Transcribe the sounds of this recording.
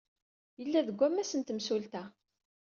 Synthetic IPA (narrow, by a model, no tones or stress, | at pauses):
jəlːæðəɡʷːæmːæsənt̪msult̪æ